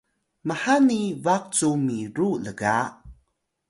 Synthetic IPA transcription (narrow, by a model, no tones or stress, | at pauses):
məħanivak̚t͡sumiɾuləɡa